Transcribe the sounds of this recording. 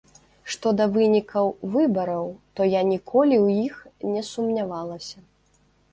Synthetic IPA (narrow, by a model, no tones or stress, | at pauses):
ʂt̪ɔd̪ɐvɨnʲikʰɐwvɨbɐɾɐwt̪ɔjanʲikʰɔlʲiwjixnʲɛsumnʲavalˠɐsʲɐ